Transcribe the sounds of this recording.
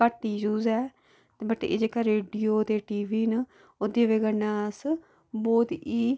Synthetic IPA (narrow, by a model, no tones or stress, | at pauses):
kəʈ̪ːiːd͡ʒuːzɛː | t̪eːbəʈːḛḛːd͡ʒeːkaɾeːɖijoːt̪eːʈiːʋiːn | ʊd̪iʋeːɡənːaːs | bɔːt̪iː